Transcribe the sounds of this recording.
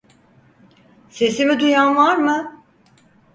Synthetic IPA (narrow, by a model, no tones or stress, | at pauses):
se̞simid̪ujanvaɾmɯ